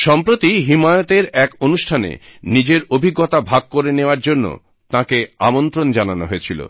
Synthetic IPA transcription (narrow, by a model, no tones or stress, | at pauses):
ʃɔmpɾot̪iɦimajot̪eɾɛkonuʃʈʰanḛnid͡ʑeɾobʱiɡːot̪abʱaɡ̚koɾeneoaɾd͡ʑonːo̰ | t̪ãkea̰mont̪ɾond͡ʑananoɦoet͡ɕʰilo̰